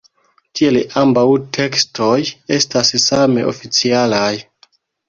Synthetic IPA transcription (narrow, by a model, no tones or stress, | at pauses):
tielʔambawtʰe̞kstoje̞stassame̞̰ʔo̰fit͡sialaj